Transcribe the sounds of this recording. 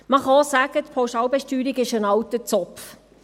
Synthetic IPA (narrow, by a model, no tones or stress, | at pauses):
məχɑsæɡət̪pʰawʃɑːwbɛʃtyːɾiɡɪʃənɑwtət͡sɔpf